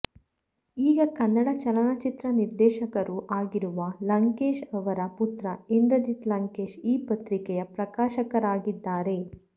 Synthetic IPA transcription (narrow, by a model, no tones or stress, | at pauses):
iːɡɐkɐnːɐɽɐt͡ʃɐlɐnɐt͡ʃit̪ɾɐniɾd̪ɛːʃɐkɐɾuʔaːɡiɾuʋɐlɐŋkeːʃɐʋɐɾɐput̪ɾɐind̪ɾɐd͡ʒ̪it̪lɐŋkeːʃiːpɐt̪ɾikɛjɐpɾɐkaːʃɐkɐɾaːɡid̪ːaːɾe̞